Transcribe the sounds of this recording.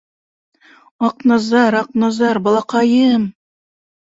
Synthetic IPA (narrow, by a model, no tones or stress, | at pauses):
ɑqnɑzɑɾɑq̚nɑzɑɾbɑlˠɑqɑjɤm